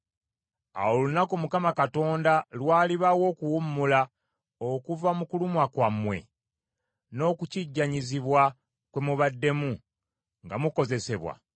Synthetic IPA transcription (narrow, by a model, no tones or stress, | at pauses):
a̰wolunakomukamakato̞ːndalwaːliβawo̞ːkuwumːula | o̞kuvamukulumwakwamːwe̞̰ | no̞ːkuciɟːaɲiziβwa | kwe̞muβadːe̞mu | ŋɡa̰muko̞ze̞se̞βwa̰